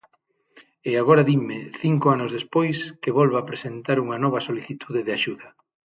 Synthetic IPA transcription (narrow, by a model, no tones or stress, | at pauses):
eaɣ̞oɾaðimɪθiŋkoanʊzðespojskeβɔlβaːpɾesent̪aɾuŋɐnɔβɐsoliθit̪ʰuðeðeaʃuðɐ